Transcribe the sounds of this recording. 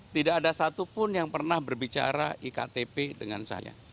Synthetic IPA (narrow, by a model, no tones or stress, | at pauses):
t̪idaːdasat̪upʊnjaŋpərnahbərbit͡ʃa̰ɾaʔika̰t̪epedəŋansa̰ja̰